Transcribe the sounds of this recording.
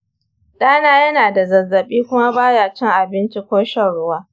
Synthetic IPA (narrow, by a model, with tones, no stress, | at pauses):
ɗaː˦naː˦jɐ˦naː˨da˨zɐ˨zːɐ˨ɓiː˦kʷʊ˦ma˦baː˦jaː˨t͡ʃɪ˦ŋʔa˨bɪ˦nt͡ʃi˦kʷoː˦ʃɐ˦ɽʊ˦waː˦